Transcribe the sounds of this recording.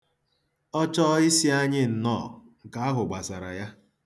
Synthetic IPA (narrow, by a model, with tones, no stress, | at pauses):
ɔ˦t͡ʃɔ˦ɪ˦si˦a˦ɲɪ˦n̩˨nɔː˦˨ŋ̩˨ka˨a˦ɦʊ˨ɡ͡ba˨sa˨ɾa̰˨ja˦